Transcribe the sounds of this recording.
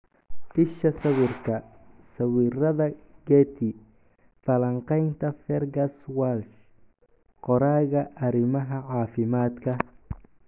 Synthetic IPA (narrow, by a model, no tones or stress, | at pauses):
ʔɪʃɐsɐwɪrkʰɐsɐwiːrɐðɐɡɛt̪ʰɪ | fɐlɐɴqɛjnt̪ʰɐfɛrɡɐswalt͡ʃ | qɔɾaːɣɐʔɐɾɪmɐɦɐʕɑːfɪmaːd̪kʰɐ